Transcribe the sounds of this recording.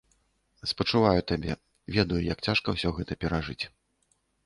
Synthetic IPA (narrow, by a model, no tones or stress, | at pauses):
spɐt͡ʂuvajut̪abʲɛ | vʲɛd̪ɐjujakt͡sʲaʂkɐwsʲɔɣɛt̪ɐpʲɛɾaʐɨt͡sʲ